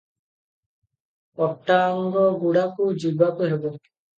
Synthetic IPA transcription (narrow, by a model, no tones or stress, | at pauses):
ɔp̚ʈaŋɡɔɡuɽakud͡ʒibakuɦebɔ